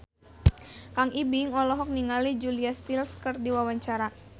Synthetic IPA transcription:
kaŋibiŋɔlɔɦɔk̚niŋalid͡ʒuliast̪ilskɨrdiwawaɲt͡ʃaɾa

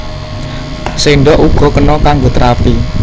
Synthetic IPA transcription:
seɳɖɔʔuɡ̥ɔ̤kənɔkaŋɡot̪əɾapi

